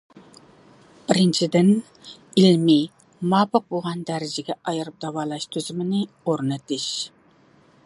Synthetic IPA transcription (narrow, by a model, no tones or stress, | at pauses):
b̥ɪɾɪnt͡ʃʰid̪ɪn | ilmi | mɑːbɑq̚boʁɑnd̪æɾɪd͡ʒɪɡʲɛʔɑjɨɾɨp̚d̪ɑwɑːlˠɑʃt̪ʰyzymɪnɪ | oɾnɨt̪ɪʃ